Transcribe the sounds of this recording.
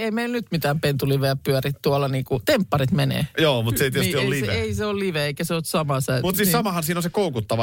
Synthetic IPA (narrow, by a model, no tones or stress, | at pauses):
eimeilnyt̪mit̪æːmpent̪uliʋeæpyærit̪t̪uɑlːɑniːkut̪empːɑrit̪menḛːjoːmut̪set̪siiollieiseolliʋeeikæseoːt̪sɑmɑsæmut̪siːssɑmɑhɑnsiːnonsekoukut̪ːɑʋɑ